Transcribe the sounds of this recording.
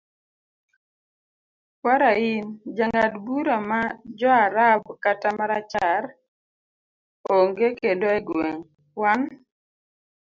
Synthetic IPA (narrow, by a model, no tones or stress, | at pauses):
kwaɾaind͡ʒaŋadbuɾamad͡ʒɔaɾabkatamaɾat͡ʃar | oŋɡekedoeɡweŋ | wan